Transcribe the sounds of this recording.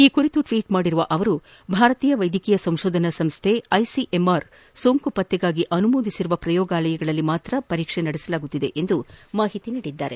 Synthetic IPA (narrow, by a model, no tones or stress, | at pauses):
iːkuɾit̪uʈʋiːʈmaːɽiɾuʋɐʔɐʋɐɾu | bʱaːɾɐt̪iːjɐʋɐjd̪ʱikijɐsɐmʃoːd̪ʱɐnɐsɐmst̪ʰeɐjsiʔemaɾ | soːŋkupɐt̪ːɛɡaːɡiʔɐnumoːd̪isiɾuʋɐpɾɐjɔːɡaːlɐjɐɡɐɭɐlːimaːt̪ɾɐpɐɾiːkʂenɐɽɛsɐlaːɡut̪ːid̪e̞̰ʔend̪umaːɦit̪iniːɽid̪ːa̰ːɾe̞̰